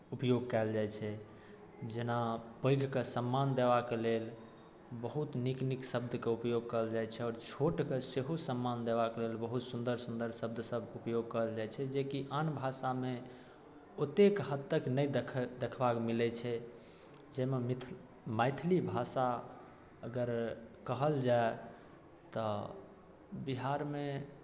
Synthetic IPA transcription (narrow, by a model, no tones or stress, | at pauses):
upjoɡ̚kaɪld͡ʒajt͡ʃʰɛ | d͡ʒenapə̃jɡʱkesəmːand̪eβakelel | bəɦut̪nikniksəbd̪ʱkeupjoɡ̚kəɦəld͡ʒajt͡ʃʰɛɔːɾt͡ʃʰoʈkeseɦosəmːand̪eβakelelbəɦut̪sund̪əɾsund̪əɾsəb̚d̪ʱsəbupjoɡ̚kəəld͡ʒajt͡ʃʰɛd͡ʒekiʔanbʱasame | ot̪ekɦət̪ːəknəjd̪kʰd̪ekʰbakmilɛt͡ʃʰɛ | d͡ʒɛmemit̪ʰ | majt̪ʰlibʱasa | əɡəɾkəɦəld͡ʒae | t̪ɔ | biɦaɾme